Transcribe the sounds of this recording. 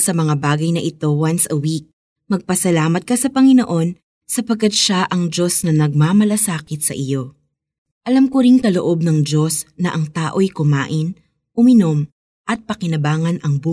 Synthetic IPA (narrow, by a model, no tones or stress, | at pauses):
sɐmɐŋabaːɡɐjnɐʔɪt̪o̞wɐnsɐwik̚ | mɐɡ̚pɐsɐlaːmɐt̪̚kɐsɐpɐŋɪnoʔo̞n | sɐpɐɡ̚kːɐd̪̚ʃaʔɐŋd͡ʒo̞snɐnɐɡ̚mamɐlɐsaːkɪt̪̚sɐ̰ʔɪjo̞ | ʔɐlamkoɾɪŋkɐloʔo̞b̚nɐŋd͡ʒo̞snɐʔɐŋt̪aːʔo̞jkʊma̰ːʔɪn | ʔʊmɪno̞m | ʔɐt̪̚pɐkɪnɐbaːŋɐnʔɐŋbu